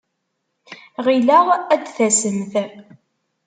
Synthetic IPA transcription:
ʁilæʁæd̪θæsəmθ

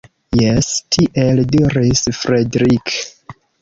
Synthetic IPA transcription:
jestʰiʔelduɾisfɾedɾik

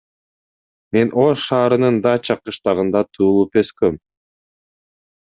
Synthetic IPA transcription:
me̞nʔo̞ʃʃɑːɾɯnɯnd̪ɑt͡ʃʰɑqɯʃt̪ɑʁɯnd̪ɑt̪ʰuːlˠupø̞skøm

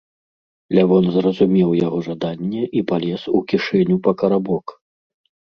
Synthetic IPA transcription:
lʲavɔnzrɐzumʲɛwjaɣɔʐad̪anʲːɛʔipalʲɛsukʲiʂɛnʲupɐkɐɾabɔk

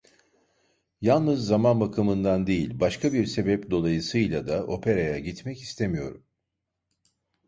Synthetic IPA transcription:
jalˠnɯzːamanbakʰɯmɯnd̪and̪e̞jilʲbaʃkʰabiɾse̞bɛpd̪o̞lˠajɯsɯjlʲˠad̪aʔo̞pʰe̞ɾajaɟit̪mɛci̥st̪ʰemijo̞̰ɾum

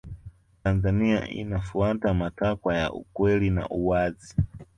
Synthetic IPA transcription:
tanzania̰ʔḭnafuatamatakwaja̰ʔṵkwɛlina̰ʔuwazi

